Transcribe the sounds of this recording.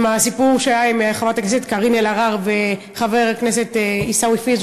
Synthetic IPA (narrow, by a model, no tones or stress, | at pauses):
masipuʁʃajaimeaχavat̪akneset̪kaʁinelaʁaʁve | χaveʁakneset̪isawifiz